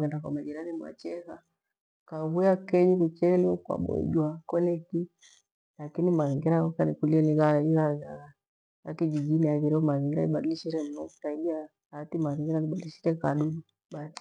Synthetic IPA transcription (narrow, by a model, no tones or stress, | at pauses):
ɣɛndakwamad͡ʒiɾanimwa̰t͡ʃɛɣa | kaβujakɛɲikut͡ʃɛliɔkwa̰ɓɔ̰ʄwakɔlɛki | lakinimaɣɛŋɡɛɾaɔkanikuliɛniɣaiɣaa | a̰kid͡ʒiɡiniaɣiɾɛɔmaɣɛŋɡɛɾaiɓaɗiliʃiɾɛm̩nɔu̥taiɓia | timaɣɛŋɡɛɾaniɓaɗiliʃiɾɛkaɗuɗu | ɓasi̥